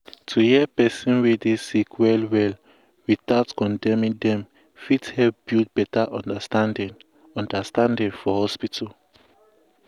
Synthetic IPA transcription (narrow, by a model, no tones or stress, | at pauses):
tʰuhiɛpɛsĩnwidesikʰwɛlwɛl | wiθatkɔ̃ndɛ̃mĩndɛ̃m | fithɛpb̥it̚bɛtaʔɔ̃ndastãndĩn | ɔ̃ndastãndĩnfɔhɔspitʰal